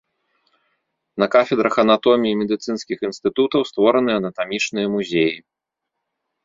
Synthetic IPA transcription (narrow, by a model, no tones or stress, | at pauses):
nɐkafʲɛd̪ɾʔɐxɐnat̪ɔmʲiːmʲɛd̪ɨt̪sɨnskʲixinst̪ɨt̪ut̪ɐwst̪vɔɾɐnɨɐnɐt̪amʲit͡ʂnɨjɐmuzʲeji